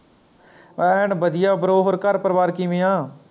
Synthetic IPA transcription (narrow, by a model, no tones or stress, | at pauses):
ɛɳbəd̪ɪjaːbəɾoːɦoɾkəɾpəɾəʋaːɾkiːmɪ̃ːãː